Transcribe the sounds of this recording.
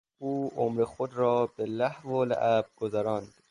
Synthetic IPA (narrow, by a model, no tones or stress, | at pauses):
uːʔomɾexod̪ɾɒːbelæhvoːlæ̰ʔæb̥̚ɡ̥ozæɾɒːnd̪̥